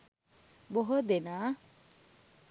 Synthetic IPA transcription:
boɦod̪enaː

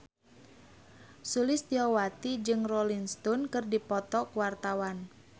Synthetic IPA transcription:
sulɪst̪iɔwat̪id͡ʒɨŋrɔlinst̪ɔnkɨrdipɔt̪ɔkuwart̪awan

